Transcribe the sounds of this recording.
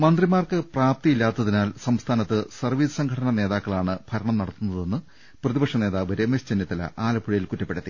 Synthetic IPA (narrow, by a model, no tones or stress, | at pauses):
mɐnd̪rimaːrkɨpraːp̚t̪ijilːaːt̪ːɐðinaːlsɐmst̪ʰaːnɐt̪ːɨsɐrʋiːsɐ̥sɐŋɡʰʱɐɽɐnɐne̞ːðaːkːɐɭaːɳɨb̥ʱɐɾɐɳɐmnɐɽɐt̪ːunːɐðe̞nːɨ | prɐðibɐkʂɐne̞ːðaːʋɐɾemest͡ɕenːjɐt̪ːɐlɐ̰ʔaːlɐbʰʱuɻɐjilkutːɐpːeɽɐt̪ːi